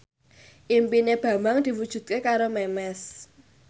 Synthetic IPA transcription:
ʔimpineb̥ä̤maŋd̪̥i̤wud̥ʒ̥ṳt̪̚kekaɾomɛmɛs

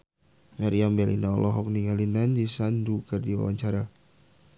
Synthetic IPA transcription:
ŋaɾijambɛlḭnaɔlʔɔɦɔk̚niŋalinand͡ʒisandukərdiwa̰wa̰ɲt͡ʃaɾa

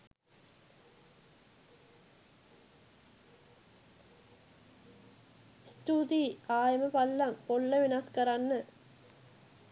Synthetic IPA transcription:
st̪uːd̪iaːjɐmɐpɐlːɐmpɔɭːɐʋinaːskɐɾanːɨ

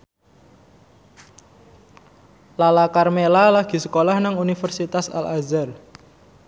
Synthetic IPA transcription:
lalakarmelalaɡ̥i̤səkolahnaŋunifərsit̪asa̰lazər

